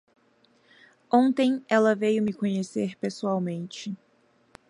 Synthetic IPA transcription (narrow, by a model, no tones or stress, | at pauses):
õnt̪ẽj̃ɛlɐvejʊmɪkõɲeseɾpesuawmẽnt͡ʃɪ